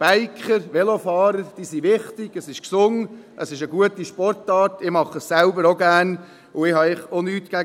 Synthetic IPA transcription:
b̥æɪkʰχəɾʋɛlofɑːɾəɾd̥iːsiʋɪχtɪɡ̥əsɪʃksʊŋʔəsɪʃəɡuətiʃpɔrtɑːtɪmɑχəssælbəɾoɡæn | ʊɪhɑɪχonyːtkæ

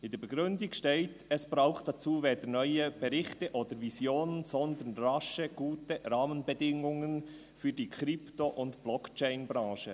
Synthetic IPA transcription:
ɪndəb̥ɛɡʁʏndɪkʃteɪtɛsb̥ɾaʊxtd̥at͡suːveːdənœʏəb̥ɛɾɪxtəʔoːd̥əɾvizjoːnənzɔndənrɑʃəɡ̥uːtəɾaːmənbədɪŋʊŋən | fyːdiːkʰɾɪptoʔʊntb̥lɔkt͡ʃɛɪnbɾɑ̃ːʃə

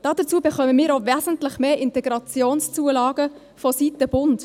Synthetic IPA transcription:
d̥ɑːdət͡suːəbəχœməmiːɾovɛːzən̩tlɪχmeːɪntɛɡɾɑt͡sjoːnst͡suəlɑːɡə | fɔsitəb̥ʊnt

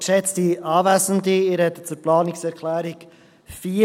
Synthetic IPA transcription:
ʃɛt͡stiɑːvæsəndiɪːɾhɛt̪ːə̥t͡sʊɾplɑːnɪksɛɾkʰlæːɾik | fiː

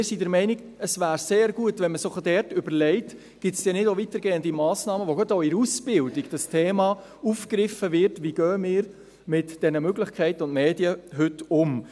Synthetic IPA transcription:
ɪsidɛɾmɛɪniɡ | əsʋæːɾseːɾɡuətʋɛnməsʊχd̥ɛrtʏbəɾlɛɪt | ɡ̥ɪtsd̥ɛnɪdoʋitəɾɡ̥eːəndimɑːsnɑːməʋoɡɔtoɪɾusb̥ɪldiɡd̥ɑstʰeːmɑ | ufkɾɪfəvɪɾtʋiːɡ̥œːmɪːɾ | mɪtd̥ɛnəmøɡlɪχkʰɛɪtəʊntmeːdjəɦʏtʊm

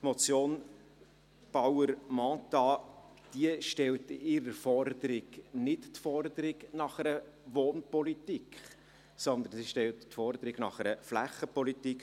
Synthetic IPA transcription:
mɔt͡sjoːn | b̥ɑwəɾmɑːt̪ɑ | d̥iəʃtɛltɪɾəɾfɔɾd̪əɾɪɡ̥nɪttfɔrd̪əɾɪɡnɑχəɾə | ʋoːnpɔlitikχ | sɔnd̪ənsiʃtɛlttfɔɾd̪əɾɪɡnɑ̰χɛɾəflæχːəpɔlitik

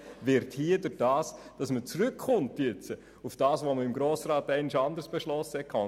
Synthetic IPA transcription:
vɪɾthiədʏd̥ɑːsd̥ɑsmət͡srʏkχʊntjɛt͡sə | ufd̥ɑːsʋoməɪmɡɾoːsrɑːtɛɪnɪʃɑndərsb̥eʃlɔsəhɛkʰɑ

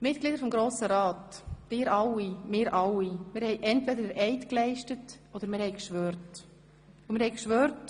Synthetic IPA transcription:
mɪt̚ɡ̥lidəɾfɔmɡɾoːsəɾɑːtd̥ɪːɾʔɑwimɪːɾʔɑwimɪːɾhɛɪʔɛntvɛdədəɾʔɛɪtklɛɪʃtət | ɔd̥əɾmɪːɾhɛɪkʃʋøːɾt | umɪɾhɛɪkʃʋøːɾt

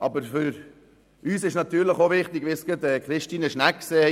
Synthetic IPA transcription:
ʔɑbəɾfʏɾ | yːsɪʃnɑt̪yːɾləχoʋɪχtɪɡ̥ʋɪsɡ̥ətɛkχɾɪʃtiːnəʃnækseː

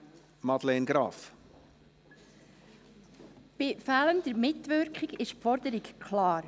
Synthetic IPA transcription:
mɑd̥̪leːnɡɾɑːf | b̥ɪfæːləndəɾmɪtʋʏɾkχiɡɪʃpfɔɾdəɾɪkkʰlɑːɾ

